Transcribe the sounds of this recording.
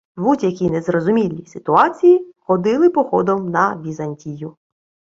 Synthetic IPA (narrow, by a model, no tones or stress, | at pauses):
butʲɐkʲinezrɔzʊmʲilʲːisɪt̪ʊɑt͡sʲijixɔd̪ɪlˠɪpɔxɔd̪ɔmnɐʋʲizɐnʲtʲijʊ